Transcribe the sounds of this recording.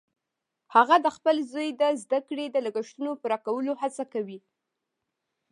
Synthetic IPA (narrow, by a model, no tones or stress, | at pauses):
haɣad̪əxpəlzəjd̪əzd̪akɽed̪ələɡəʃt̪unopəɾɑkawəlohat͡sakawi